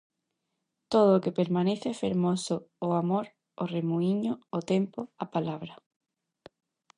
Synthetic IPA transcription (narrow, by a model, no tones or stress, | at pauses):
t̪oð̞oːkepeɾmãneθfeɾmosʊːamoɾ | oremuiɲoot̪empoapalaβɾɐ